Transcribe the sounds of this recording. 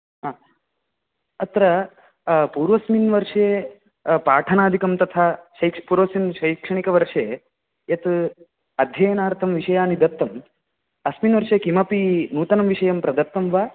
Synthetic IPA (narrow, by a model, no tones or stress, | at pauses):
ɦaː | ɐt̪ɾɐ | puːɾʋɐsminʋɐɾʂeː | paːʈʰɐnaːd̪ʱikɐmt̪ɐt̪ʰaːʃɐjkʂpuːɾʋɐsinʃɐjkʂɐɳikɐʋɐɾʂeː | jɐt̪ | ɐd̪ʱjɐjɐnaːɾt̪ʰɐmʋiʂɐjaːnid̪ɐt̪ːɐm | ɐsminʋɐɾʂeːkimɐpinuːt̪ɐnɐmʋiʂɐjɐmpɾɐd̪ɐt̪ːɐmʋaː